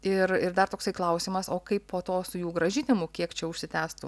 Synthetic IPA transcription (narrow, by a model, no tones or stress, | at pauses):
ɪɾɪɾd̪ɐrt̪oːksɐɪklˠɐʊsʲimɐsoːkɐɪppoːt̪oːsʊjuːɡɾɐʒʲɪnʲɪmʊkʲiɛkt͡ʃʲɛʊʃʲsʲɪt̪ʲæːst̪ʊ